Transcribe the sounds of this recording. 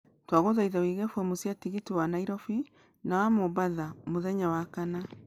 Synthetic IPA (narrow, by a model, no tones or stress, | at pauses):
twaɣoðaiðawiɣɛfwɛmosjatiɣitiwanaiɾɔfi | nawamobaðamoðɛɲawakana